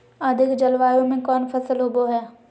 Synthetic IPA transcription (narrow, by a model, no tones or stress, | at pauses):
ɐd̪ʱɪkd͡ʒɐlʋaːjõmẽkɔːnfʰɐsəlɦoboɦɛː